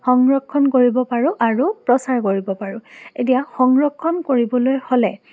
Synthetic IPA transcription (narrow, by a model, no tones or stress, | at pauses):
xɔŋɹɔkʰːɔnkoɹibɔpaɹʊʔaɹupɹɔsaɹkoɹibɔpaɹʊet̬ijaxɔŋɹɔkʰːɔnkoɹibɔlojholɛ